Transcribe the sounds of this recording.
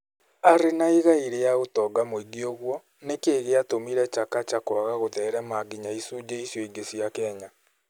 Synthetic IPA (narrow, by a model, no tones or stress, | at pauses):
aɾenaiɣaiɾejaɣotɔɡamoiɡioɣwɔ | nekeːɣeatomiɾɛt͡ʃakat͡ʃakwaɣaɣotɛːɾɛmaɡiɲaisud͡ʑeisjoiɡesiakɛːɲa